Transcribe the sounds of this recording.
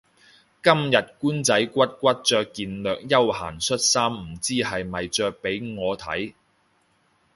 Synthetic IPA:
kɐ˥mjɐ˨t̚kuː˥nt͡sɐ˨˥jkʷɐ˥t̚kʷɐ˥t̚t͡sœː˧kːiː˧nlœː˨k̚jɐ˥wha̰ː˨˩nsɵ˥t̚saː˥m̩˨˩t͡siː˥hɐ˨jmɐ˨jt͡sœː˧k̚pe˨˥jŋɔː˨˧t̪ʰɐ̰˨˥j

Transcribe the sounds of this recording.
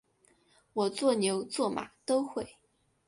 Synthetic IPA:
wɔ˨˩t͡swɔ˥˩njo˧˥ʊt͡swɔ˥˩ma̰˨˩t̪o˥ʊxwe˥˩ɪ

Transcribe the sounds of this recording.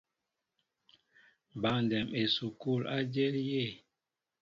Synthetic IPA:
ba˨n˨dɛ˨me˨su˨ku˦˨la˦d͡ʒe˦lje˦˨

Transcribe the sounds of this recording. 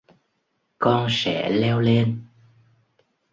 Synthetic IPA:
kɔ˧nsɛ̰˧˥lɛ˧wle˧n

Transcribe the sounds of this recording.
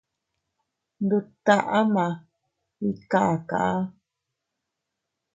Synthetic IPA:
nd̪u˧t̪a˦˧ʔa˦mã˨ | i˦ka˨ʔa˨ka̰˨ʔa˦

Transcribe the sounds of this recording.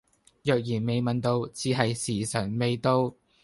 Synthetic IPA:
jœː˨k̚jiː˨˩nme˨˧jmɐ˨nt̪o˧wt͡siː˨˧ɦɐ˨jsiː˨˩sɐ˨˩nme˨˧jt̪o˧w

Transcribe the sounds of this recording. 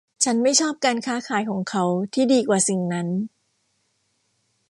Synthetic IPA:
t͡ɕʰa˦˥nma˥˩jt͡ɕʰɔː˥˩p̚kaː˧nkʰaː˦˥kʰaː˩˦jkʰɔː˩˦ŋkʰa˦˥wt̪ʰiː˥˩diː˧kwaː˨˩si˨˩ŋna˦˥n

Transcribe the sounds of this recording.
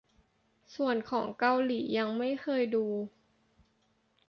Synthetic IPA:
su˨˩ənkʰɔː˩˦ŋka˧wliː˩˦ja˧ŋma˥˩jkʰɤː˧jduː˧

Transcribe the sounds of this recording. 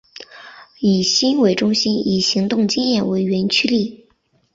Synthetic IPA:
i˨˩ɕi˥nwe˧˥ɪʈ͡ʂʊ˥ŋɕi˥ni˨˩ɕi˧˥ŋt̪ʊ˥˩ŋt͡ɕi˥njɛ˥˩nwe˧˥ɪɥɛ˧˥nt͡ɕʰy˥li˥˩

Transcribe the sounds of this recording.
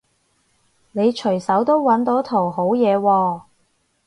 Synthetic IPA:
ne˨˧jt͡ʃʰɵ˨˩jsɐ˨˥wt̪o˥wwɐ˨˥nt̪o˨˥t̪ʰo˨˩wɦo˨˥wjɛː˨˧wɔː˧

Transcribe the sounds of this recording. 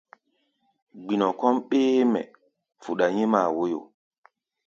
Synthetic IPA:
ɡ͡bi˨nɔ˨kɔ˦mɓeː˦mɛ̰˨ | fu˨ɗa˨ɲe˦ma˨wo˦jo̰˨

